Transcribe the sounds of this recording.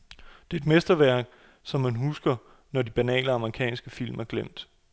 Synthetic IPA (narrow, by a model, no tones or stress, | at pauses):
d̥e̝e̝d̥mesd̥ɐʋæɐ̰ɡ̥̚ | sɒ̽mːænɦusɡ̥ɐ | nɒdib̥ænɛ̰ːləɑ̈məʁikʰɛ̰ːnsɡ̥əfil̰mæɐɡ̥lem̰d̥